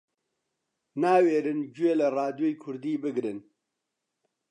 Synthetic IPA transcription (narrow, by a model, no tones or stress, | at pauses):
naːweːɾɨnd͡ʒueːlɐrɑːd̪jojikʰʊɾd̪iːbɨɡɾɨn